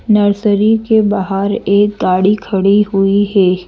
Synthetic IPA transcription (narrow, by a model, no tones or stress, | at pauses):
nɐɾsəɾikebaɦaɾeːk̚ɡaːɽikʰɐɽiɦʊiɦɛː